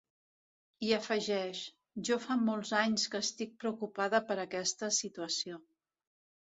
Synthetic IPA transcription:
iəfəʒɛʃ | ʒɔfamɔlˠzaɲskəːst̪ik̚pɾəukupaðəpəɾəkɛst̪əsit̪uəsio

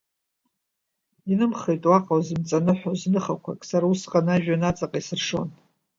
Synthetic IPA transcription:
inɨmχejtʼwaqʼawzɨmt͡sʼanɨħʷoznɨχakʷʰa̰kʼsaɾausqʼanaʒᶣanat͡sʼaqʼaisɨrʂo̞̰n

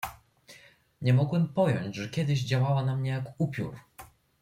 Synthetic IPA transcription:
ɲɛmɔɡwɛmpɔjɔɲd͡ʑʐɛkʲɛd̪ɘʑd͡ʑawawanamɲɛjakupʲjṵɾ

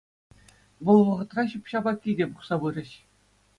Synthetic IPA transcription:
ʋɤ̆lˠʋɤ̆ʁɤ̆t̪rɑɕɯpɕɑbɑkʲːidʲebuχsɑbɯɾʲɘ̆ɕ

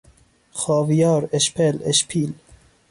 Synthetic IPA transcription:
xɑːvijɑːɾeʃpʰeleʃpʰiːl

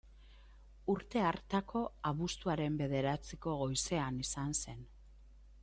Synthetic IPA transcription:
uɾt̪e̞aɾt̪ako̞aβust̪uaɾe̞mbe̞ð̞e̞ɾat͡siko̞ɣo̞jse̞anisanse̞n

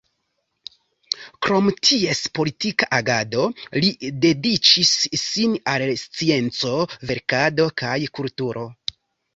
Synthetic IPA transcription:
kɾo̞mtʰie̞spo̞litikaʔaɡado̞lide̞dit͡ʃisːinalst͡sie̞nt͡so̞ve̞ɾkado̞kajkultuɾo̞

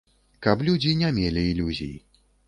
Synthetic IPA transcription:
kɐplʲud͡zʲinʲamʲelʲiːlʲuzʲijḭ

